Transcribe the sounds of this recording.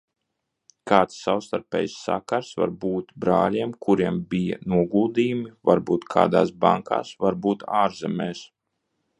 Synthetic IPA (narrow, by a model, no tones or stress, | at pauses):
kaːt̪sːawst̪aɾpʲɛ̰ːjsːa̰kaɾsva̰ɾbuːt̪bɾa̰ːlʲiɛmkuɾiɛmbija̰nuɔɡuːd̪iːjumivaɾbuːt̪kʰa̰ːd̪aːsbaŋka̰ːsvaɾbuːt̪aːɾzɛmɛːs